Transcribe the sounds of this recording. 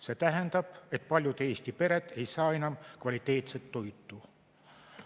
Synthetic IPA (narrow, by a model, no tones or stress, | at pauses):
se̞ːt̪æɦend̪ɑb̥e̞t̪ˑpɑlʲjud̪e̞ːsʲt̪ipe̞ɾe̞t̪ˑe̞jsɑːenɑmkvɑlʲit̪ːˑe̞ːt̪set̪ːo̞jt̪ːˑu